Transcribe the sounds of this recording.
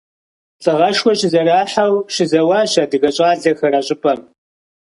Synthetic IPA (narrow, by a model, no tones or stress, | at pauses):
t͡sʼɨʁɐʃkʷɔɕɪzɐraːħɐwɕɪzɐwɑːɕɐdɨɣɐɕʼaːɮɐxɐrɐɕʼɪpʼɐm